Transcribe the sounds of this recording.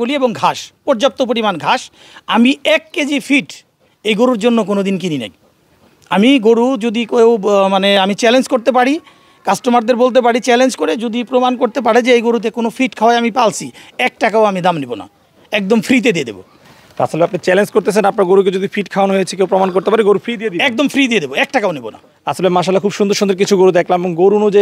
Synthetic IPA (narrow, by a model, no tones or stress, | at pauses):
olieboŋɡʱaʃpɔɾd͡ʑap̚t̪op̬oɾimanɡʱaʃ | amiɛkːed͡ʑifʰiʈ | ejɡoɾuɾd͡ʑonːokonod̪inkininḛk | amiɡoɾud͡ʑod̪ikewmaneamit͡ɕɛlend͡ʑkoɾt̪ep̬aɽi | kasʈomaɾd̪eɾbolt̪̬ep̬aɽit͡ɕɛlend͡ʑkoɾed͡ʑod̪ipɾomankoɾt̪ep̬aɽed͡ʑeejɡoɾut̪̬ekonofʰiʈkʰawaeamipalt͡ɕʰiɛk̚ʈakaoamid̪amnibona̰ | ɛk̚d̪omfʰɾit̪̬ed̪ied̪ḛbo̰ | a̰ʃʰoleapnat͡ɕɛlend͡ʑkoɾt̪et͡ɕʰenapnaɾɡoɾuk̬ed͡ʑod̪ifiʈkʰaonɦojet͡ɕʰekewpɾomankoɾt̪epaɾiɡoɾufɾid̪ijed̪iɛk̚d̪omfʰɾid̪ijed̪eboɛk̚ʈakaonibona̰ | aʃʰolemaʃ̬alakʰubʃund̪oɾʃund̪eɾkit͡ɕʰuɡoɾud̪ɛkʰlameboŋɡoɾunod͡ʑe